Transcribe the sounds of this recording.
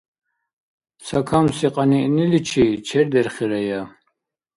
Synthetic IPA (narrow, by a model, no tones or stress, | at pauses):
sakʰamsiqʼaniʔnilit͡ʃʰit͡ʃʰɛɾd̪ɛɾχɛɾaja